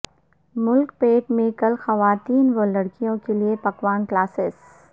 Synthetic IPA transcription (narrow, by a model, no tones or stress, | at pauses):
mʊlkpeːʈmẽkɐlxɐʋaːt̪iːnʋolɐɽkijõkeliepɐkʋaːnklaːsɪs